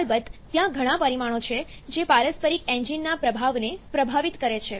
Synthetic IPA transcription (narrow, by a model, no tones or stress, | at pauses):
lbəd̪ːjãɡʱəɽ̃ãpəɾimaɽ̃ot͡ʃʰed͡ʒepaɾəspəɾikẽɲd͡ʒinːapɾəbʱaʋnepɾəbʱaʋit̪kəɾet͡ʃʰe